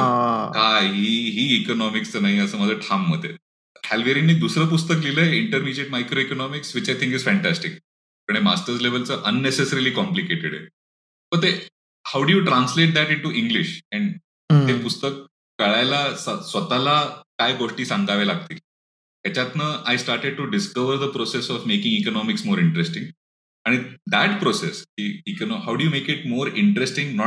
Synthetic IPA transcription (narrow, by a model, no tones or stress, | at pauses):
akaɦiɦiːkonɔmikst͡səːnaɦiəsəːməd͡zʱəʈʰamːəd̪ʱḛ | hælʋeɾinːiːd̪usɾəːpust̪əkliləːeiɳʈəɾmid͡ʑeʈmajkɾoikonɔmiksʋit͡ɕajt̪ʰĩŋkiz̥fæ̃ɳʈæsʈik | pəɳ̃ɦema̰sʈəɾzleʋəlt͡səʔənːesesəɾiliːkɔmplikeʈeɽḛ | bəɾ̚t̪e | hawɖujuːʈɾãnsleʈ̚d̪æʈiɳʈuʔĩŋɡliɕɛ̃ɳ | t̪epust̪əkː | əɭajlasasʋət̪alakajɡoʂʈiːsãŋɡaʋelaɡ̚t̪iːl | t̪jat͡ɕjat̪nəːajsʈaɾʈeɖ̚ʈuɖiskəʋəɾd̪əpɾosesɔfmekĩŋikonɔmiksmoːɾɪɳʈɾesʈĩŋɡ | aɽ̃id̪æʈpɾoseskiːikonɔɦawɖujuːmekɪʈ̚moːɾɪɳʈəɾesʈĩŋɡnɔ